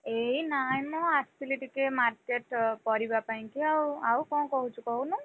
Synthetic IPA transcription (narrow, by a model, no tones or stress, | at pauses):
einajmɔastiliʈikemaɾkeʈpɔɾibapaĩkiawawkɔ̃kɔɦut͡ʃʰukɔɦunu